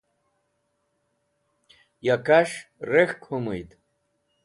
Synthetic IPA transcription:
jakʰaʂrexkʷʰomɨjtʼ

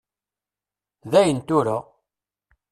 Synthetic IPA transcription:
ðæjənt̪ʊɾa

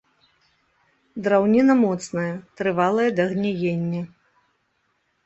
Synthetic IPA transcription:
d̪ɾawnʲinɐmɔt̪snɐjɐt̪ɾɨvalˠɐjɐd̪ɐɣnʲɛjenʲːɛ

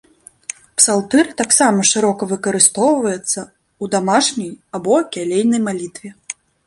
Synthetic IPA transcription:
psalˠt̪ɛɾɨt̪aksamɐʂɨɾɔkɐvɨkɐɾɨst̪ɔwvɐjɛt̪sːɐ | ud̪amaʂnʲɐjabɔkʲalʲejnɐjmalʲit̪vʲɛ

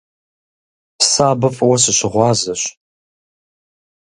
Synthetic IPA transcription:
pʰsaːbɨfʼwɐsɨɕɪʁʷɑːzɐɕ

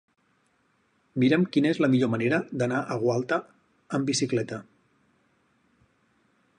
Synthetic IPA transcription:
miɾəmkinəezləmiʎoməneɾəd̪ənaʔəɣwalˠt̪ə | əmbisiklɛt̪ə

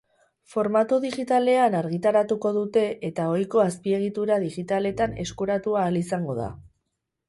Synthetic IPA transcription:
fo̞ɾmat̪uðiɣit̪ale̞anaɾɣ̞it̪aɾat̪uko̞ðut̪e̞ʔet̪ao̞jko̞aspie̞ɣ̞it̪uɾaðiɣit̪ale̞t̪ane̞̰skuɾat̪uaːlisaŋɡo̞ða̰

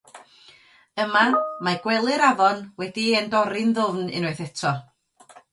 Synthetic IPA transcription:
əmamaɡ̥wɛlˠɨɾaðɔnwɛdiendɔɾɪnðʊvnɪ̰noɨθɛtʰɔ

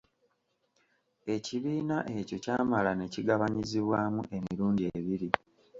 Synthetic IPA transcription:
e̞ciβiːnaʔe̞co̞caːmalane̞ciɡaβaɲiziβwaːmuʔe̞miɾuːndieβiɾi

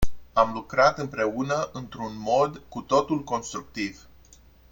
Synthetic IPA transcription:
amlukɾat̪ɨmpɾe̞unəʔɨnt̪ɾunmo̞d̪kut̪o̞t̪ulko̞nst̪ɾuk̚t̪iv

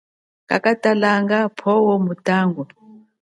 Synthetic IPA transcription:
kʼa̰kʼatʼalaŋɡapʰɔwɔmutʼaːŋɡɔ

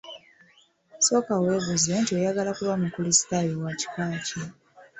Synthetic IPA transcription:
so̞ːkawe̞ːβuzentiojaɡalakuβamukulisi̥tajewaci̥kaːci

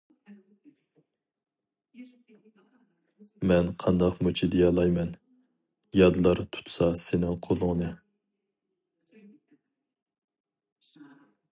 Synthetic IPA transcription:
mɛnqʰɑnd̪ɑqmut͡ʃʰid̪ejɑlˠɑjmɛn | jɑd̪ɨlˠɑɾt̪ʰu̥t̪ʰsɑsenɪŋqʰolˠʊŋnɨ

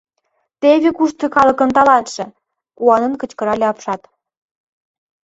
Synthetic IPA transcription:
t̪eβʲekuʃt̪okɑlɤ̆kə̆nt̪ɑlɑnt̪ʃĕ | kuɑnə̆nkə̆t͡ɕkə̆ɾɑlʲeɑpʃɑt̪

